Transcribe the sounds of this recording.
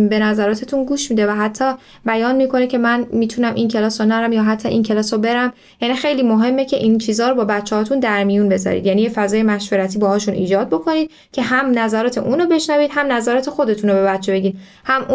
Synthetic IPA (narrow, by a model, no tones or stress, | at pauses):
be̞næzæɾɒːt̪ʰe̞t̪ʰunɡuːʃmiːd̪e̞væɦæt̪ʰːɒ | bæjɒːnmiːkʰo̞necʰe̞mænmiːt̪ʰunæmʔincʰe̞lɒːsonæɾæmjɒːɦæt̪ʰːɒʔincʰe̞lɒːsɾobe̞ɾæm | jænixe̞jliːmoɦe̞mːecʰe̞ʔint͡ʃʰiːzɒːɾobɒːbæt̪t͡ʃːehɒːt̪und̪æɾmijunbe̞zɒ̰ɾḭd̪jænijefæzɒːje̞mæʃveɾæt̪ʰiːbɒːhɒːʃunʔḭːd͡ʒɒːd̪̚bo̞kʰo̞niːd̪̚ | cʰe̞ɦæmnæzæɾɒːt̪ʰe̞̰ʔuːnobe̞ʃnæviːd̪̥hæmnæzæɾɒːt̪ʰe̞xo̞d̪e̞t̪ʰunobe̞bæt̪t͡ʃʰːebe̞ɟiːd̪̚ | hæmu